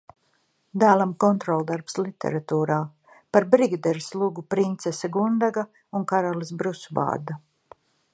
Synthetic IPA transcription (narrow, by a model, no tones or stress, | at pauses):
d̪æːlˠamkɔnt̪ɾɔlˠd̪aɾpslˠit̪ʰḛɾat̪uːɾaː | paɾbɾiɡd̪ɛɾslˠuɡupɾint̪sesaɡund̪aɡa | unkaɾalˠisbɾusuva̰ːɾd̪a